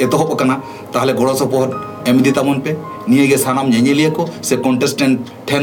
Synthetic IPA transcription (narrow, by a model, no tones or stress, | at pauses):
ɛt̪ɔɦɔpakana | t̪aɦɛlɛɡɔɽɔsɔpɔɦɔd̪ | ɛmid̪it̪amɔnpɛ | nijeɡɛsanamɲaɲelijekɔsekɔɳʈesʈɛɳ | ʈʰɛn